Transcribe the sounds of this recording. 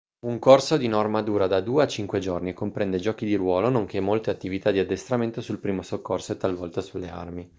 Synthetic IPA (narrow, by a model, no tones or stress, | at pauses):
uŋkorsod̪inɔrmad̪uːɾad̪ad̪uːeat͡ʃiŋkwed͡ʒornikompɾɛnd̪ed͡ʒɔːkid̪iɾwɔːlonoŋk̟emːolt̪eat̪ːivit̪ad̪iad̪ːest̪ɾament̪osulpɾiːmosokːorsoet̪ːalvɔlt̪asulːea̰rmi